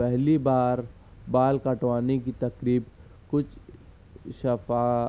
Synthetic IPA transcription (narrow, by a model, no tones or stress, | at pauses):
ɛɦlibaːɾ | baːlkɐʈʋaːnekit̪ɐkɾiːb | kʊt͡ʃʰ | ʃɐfaː